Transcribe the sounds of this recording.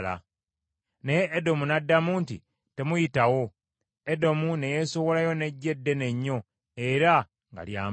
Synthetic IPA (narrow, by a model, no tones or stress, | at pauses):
la̰ | nejeʔːdo̞munadːamuːntḭ | te̞mujitawo̞ | edo̞mune̞je̞so̞wo̞lajo̞ne̞ɟːe̞dːe̞ne̞ɲːo̞ | e̞ɾa | ŋɡa̰lja̰ːm